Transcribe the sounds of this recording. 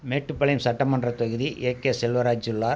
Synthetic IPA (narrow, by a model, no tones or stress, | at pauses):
meːʈːɯpːɐɭɐjmsɐʈːɐmɐndrɐt̪ɐɣɯðiʔeːkeːsɛlʋɐɾaːd͡ʒd͡ʒɪlːaː